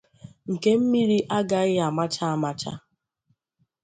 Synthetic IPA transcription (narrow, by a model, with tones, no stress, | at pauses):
ŋ̩˨ke˦m̩˦mi˦ɾi˦ʔa˦ɡa˨ɣɪ˦a˨ma˦tʰa˦a˦ma˦t͡ʃʰa̰˦